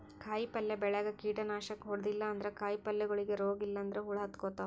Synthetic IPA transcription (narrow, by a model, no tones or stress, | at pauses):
kʰaːjipɐlːebɛɭɐɡɐkiːʈɐnaːʃɐkɦɔɽd̪ilːɐːnd̪ɐɾekaːjipɐlːɛɡɐɭiɡeɾoːɡilːɐːnd̪ɐɾeɦuɭɐɐt̪koːt̪ːɐ